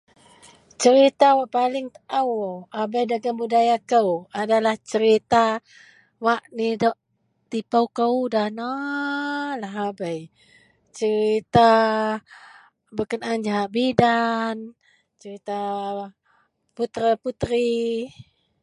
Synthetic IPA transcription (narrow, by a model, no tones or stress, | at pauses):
t͡ʃəɾit̪awaʔpalɪŋt̪əʔawabəjdaɡambudajakəwadalaht͡ʃəɾit̪a | waʔnidɔʔ | t̪ipəwkəwdana | laɦabəj | t͡ʃəɾit̪a | bəkənand͡ʒaɦaʔbidan | t͡ʃəɾit̪a | put̪ɾəput̪ɾi